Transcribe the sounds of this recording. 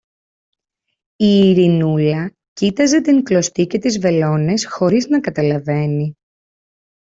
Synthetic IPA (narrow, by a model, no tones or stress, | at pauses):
iːɾinulɐ | cit̪ɐze̞t̪iŋklo̞st̪ice̞t̪izve̞lo̞ne̞sxo̞ɾiznɐkɐt̪ɐlɐve̞ni